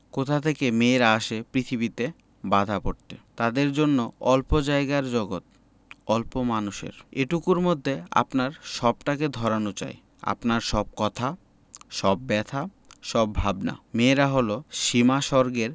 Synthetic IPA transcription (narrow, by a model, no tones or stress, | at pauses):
kot̪ʰat̪ʰekemeɾaaʃepɾit̪ʰibit̪e | bad̪ʱapoɾt̪et̪ad̪eɾd͡ʑonːoɔlpod͡ʑaeɡaɾd͡ʑɔɡot̪̚ | ɔlpomanuʃḛɾeʈukuɾmod̪ʱːea̰pnaɾʃɔb̚ʈaked̪ʱɔɾanot͡ɕa̰j | a̰pnaɾʃɔb̚kɔt̪ʰa | ʃɔbːɛt̪ʰa | ʃɔbʱabna̰meɾaɦoloʃimaʃɔɾɡeɾ